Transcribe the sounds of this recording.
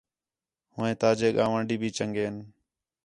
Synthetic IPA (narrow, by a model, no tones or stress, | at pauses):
hʊːẽːt̪aːd͡ʒeːɠaːʋãːɳɖiːbʱiːt͡ʃəŋɡeːn